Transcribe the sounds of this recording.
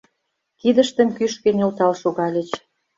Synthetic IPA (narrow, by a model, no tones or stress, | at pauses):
kid̪ə̆ʃt̪ə̆mkyʃkĕnʲolt̪ɑlʃuɣɑlʲet͡ɕ